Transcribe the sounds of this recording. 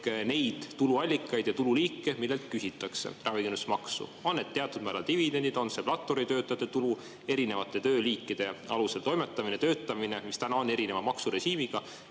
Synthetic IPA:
ne̞jd̪̥ːuluɑlʲːikːˑɑjd̪jɑt̪ululiːkːe̞milːe̞lt̪̚kysit̪ːˑɑkse̞̰rɑviɡenusmɑksṵo̞nːed̪̥t̪ːe̞ɑt̪ːˑud̪̚mæɾɑ̰lt̪ivid̪e̞nd̪id̪o̞nse̞plɑt̪ːo̞ɾit̪ø̞ːt̪ːˑɑt̪et̪ulu | e̞ɾine̞vɑt̪ːˑe̞t̪ø̞ːliːkːˑid̪̥e̞ɑluse̞lt̪o̞jme̞t̪ːˑɑminet̪ø̞ːt̪ːˑɑmine̞mist̪ænɑo̞nːe̞ɾine̞vɑmɑksuɾe̞ɕiːmiɡ̥ɑ

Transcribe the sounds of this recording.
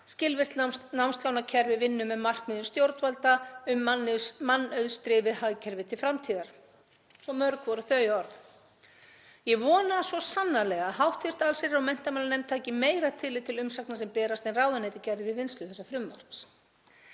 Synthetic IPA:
scɪlvɪr̥t̪lnawmst̪lawnacʰɛɾvɪvɪnːʏmɛmar̥kmɪðʏmst̪jowɾt̪valt̪aʏmːanɪsmanːœðst̪ɾɪːvɪhajcʰɛɾvɪt̪ʰɪlfɾamt̪ʰiːðaɾ̥ | sɔmœɾkvɔɾʏθœːjɔɾθ | jɛvɔːnasɔsanːalɛɣaɦawht̪ʰɪr̥t̪alsɪɾawmɛn̥t̪amaːlanɛmt̪ʰaːcɪmeːjɾat̪ʰɪlɪt̪ʰːɪlʏmsaknasɛmpɛːɾast̪ɛnraːwðanɛːt̪ɪcɛɾðɪvɪðvɪnst̪ʏθɛsːafɾʏmva̰ɾt̪s

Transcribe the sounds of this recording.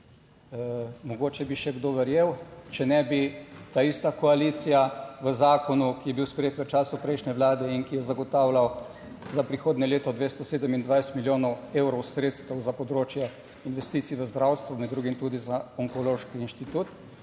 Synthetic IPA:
mɔɡoːt͡ʃɛbiʃɛɡd̪oːʋɛɾjeːwt͡ʃɛnɛbit̪aist̪akɔaliːt̪sijaʋəzaːkɔnukijɛbiwspɾɛjeːt̪ʋət͡ʃaːsupɾɛjʃnʲɛʋlaːd̪ɛiŋkijɛzaɡɔt̪aːwlaw | zapɾixoːd̪nɛleːt̪ɔd̪ʋeːst̪ɔseːd̪əmind̪ʋajst̪miljoːnɔweːwɾɔwsɾeːt̪st̪əwzapɔd̪ɾoːt͡ʃjɛ | inʋɛst̪iːt̪siʋəzd̪ɾawst̪ʋumɛd̪ɾuːɡimt̪uːd̪izaɔŋkɔloːʃkiinʃt̪it̪uːt̪

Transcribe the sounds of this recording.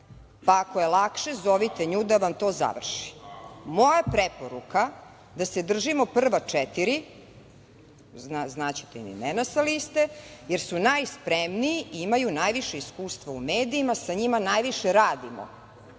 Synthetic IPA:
paːko̞jelˠakʃezoʋit̪e̞ɲuːd̪aʋamt̪o̞ːza̰ʋr̩ʃi̥mo̞japɾepoɾuka | d̪ased̪r̩ʒimopr̩ʋat͡ʂɛt̪iɾi | aznat͡ɕi̥t̪eimḭmenasalist̪ejeɾsunajspɾemnijiimajunajʋiʃeiskuːst̪ʋaumeːd̪iːmasaɲimanajʋiʃeɾaːd̪imo̰

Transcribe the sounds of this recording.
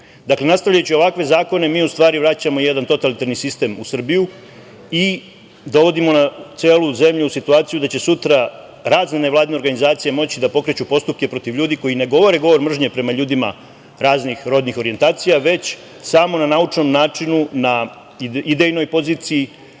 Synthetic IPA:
d̪akle̞nast̪aʋʎajut͡ɕio̞ʋakʋe̞zaːko̞ne̞miːust̪ʋaːɾiʋɾat͡ɕamo̞je̞d̪ant̪o̞t̪alit̪aɾnisist̪e̞musr̩biju | i | d̪o̞ʋo̞d̪imo̞nat̪se̞ːlˠuze̞mʎuusit̪uaːt̪sijud̪at͡ɕe̞sut̪ɾa | ɾaːzneneʋlˠaːd̪ine̞ɾɡanizaːt̪sije̞mo̞t͡ɕid̪apo̞kɾe̞t͡ɕupo̞st̪up̚ke̞pɾo̞t̪iʋʎuːd̪iko̞jine̞ɡo̞ʋo̞ɾe̞ɡo̞ʋo̞ɾmr̩ʒɲe̞pɾe̞maʎuːd̪ima̰ | ɾaːznixɾo̞ːd̪nixo̞ɾient̪aːt̪sijaʋe̞t͡ɕ | samo̞nanaut͡ʂno̞mnaːt͡ʂinuna | id̪ejno̞jpo̞ziːt̪siji

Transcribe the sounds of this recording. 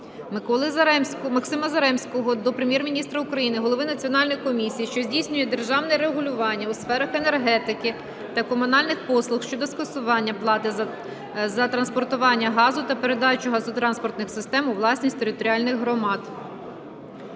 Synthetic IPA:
mkɔlˠɪzmʲmɐksɪmɐzɐɾɛmsʲkɔɦɔd̪ɔpɾemʲjɛrmʲinʲist̪ɾɐʊkɾɐjinɪɦɔlˠɔʋɪnɐt͡sʲiɔnɑlʲnɔjkɔmʲisʲijiʃt͡ʃɔzʲdʲijsʲnʲʊjɛd̪e̞rʒɑwnɛɾeɦʊlʲʊʋɑnʲːɐusfɛɾɐxe̞ne̞rɦɛt̪ɪkɪ | t̪ɐkɔmʊnɑlʲnɪxpɔslˠʊxʃt͡ʃɔd̪ɔskɐsʊʋɑnʲːɐplˠɑt̪ɪ | zɐt̪ɾɐnspɔrt̪ʊʋɑnʲːɐɦɑzʊt̪ɐpe̞ɾe̞d̪ɑt͡ʃʊɦɐzɔt̪ɾɑnspɔrt̪nɪxsɪst̪ɛmʊʋlˠɑsʲnʲisʲt̪eɾɪt̪ɔɾʲiɑlʲnɪɣɦɾɔmɑd̪̥

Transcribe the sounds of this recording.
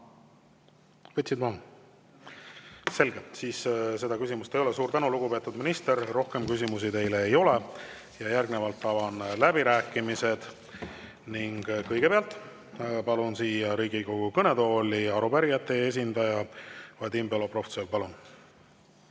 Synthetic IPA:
vɤt̪ʲsid̪mɑ | se̞lɡelt̪siːsse̞d̪ɑkysimust̪ejo̞lɛsuːɾt̪ænuluɡ̥upe̞ːt̪ːˑud̪minist̪e̞ɾːo̞hke̞mkysimusit̪e̞jle̞ːjo̞le̞ | jɑjærɡ̥nevɑlt̪ˑːɑvɑnlæbiɾæːkːˑimise̞d̪̥ | niŋɡ̥kɤjɡ̥e̞peɑlt̪ˑ | pɑlunsiːjɑɾiːɡiɡoɡ̥ukɤne̞d̪o̞ːliɑɾubæɾijɑt̪ːˑe̞e̞s̬ʲind̪ɑjɑvɑd̪imbelo̞pro̞fsølpɑlun

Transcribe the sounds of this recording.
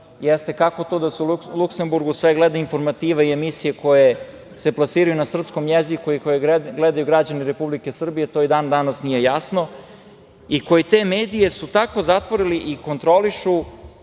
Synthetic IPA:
jest̪e̞kako̞t̪o̞d̪aseulˠukse̞mbuɾɡusʋeɡled̪ainfo̞ɾmat̪iːʋaie̞misijeko̞je̞ | se̞plˠasiːɾajunasr̩psko̞mjezikuikojeɡled̪ajuɡɾad͡ʑaniɾe̞publike̞sr̩bije̞t̪o̞ːid̪aːnd̪anasnije̞jasno̞ | iko̞jet̪e̞ːme̞ːd̪ije̞sut̪ako̞zat̪ʋo̞ɾiliʔiko̞nt̪ɾo̞liʃu

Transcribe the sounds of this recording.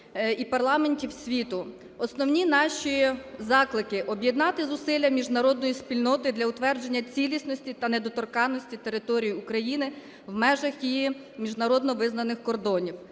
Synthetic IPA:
ipɐrlˠɑmenʲtʲiwsʲʋʲit̪ʊ | ɔsnɔwnʲinɑʃizɑklˠɪkɪʔɔbʲjed̪nɑt̪ɪzʊsɪlʲːɐmʲiʒnɐɾɔd̪nɔjisʲpʲilʲnɔt̪ɪd̪lʲɐʊt̪ʋɛrd͡ʒe̞nʲːɐt͡sʲilʲisnɔsʲtʲit̪ɐned̪ɔt̪ɔrkɑnːɔsʲtʲit̪e̞ɾɪt̪ɔɾʲijiukɾɐjinɪ | wmɛʒɐxjiji | mʲiʒnɐɾɔd̪nɔʋɪznɐnɪxkɔrd̪ɔnʲiw

